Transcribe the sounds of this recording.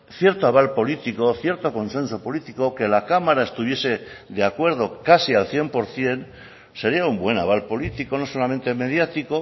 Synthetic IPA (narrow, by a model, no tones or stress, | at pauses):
θje̞ɾt̪oaβ̞alpo̞lit̪iko̞θje̞ɾt̪o̞ko̞nse̞nso̞po̞lit̪iko̞ke̞lakamaɾaest̪uβ̞je̞se̞ðeakwe̞ɾð̞o̞kasialθje̞mpo̞ɾθje̞n | se̞ɾiaumbwe̞na̰β̞alpo̞lit̪iko̞no̞so̞lame̞nt̪eme̞ð̞jat̪iko̞